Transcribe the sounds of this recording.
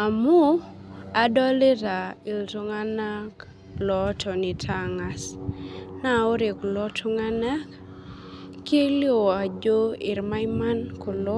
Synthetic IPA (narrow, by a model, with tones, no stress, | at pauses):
a˨mu˦a˨dɔ˦le˦ɾa˨ɪ˨lto˦ŋa˦na˦k | lɔ˦tʰɔ˨ni˨tʰa˦ŋa˨s | na˦˨o˦ɾe˨klɔ˦tʰo˦ŋa˦na˦k | kːe˦li˦o˨a˨d͡ʒo˦ɪ˨ɾma˦jma˦nko˨lɔ˦